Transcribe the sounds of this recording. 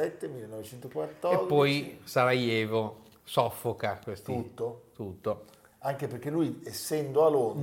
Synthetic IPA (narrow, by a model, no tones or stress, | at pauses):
ɛt̪ːemilːenːɔvet͡ʃɛnt̪okwat̪ːɔerd̪pːɔjsaɾajɛːvo | sɔfːokakwest̪ut̪ːot̪ut̪ːo | aŋk̟eperk̟elujesːɛnd̪oalon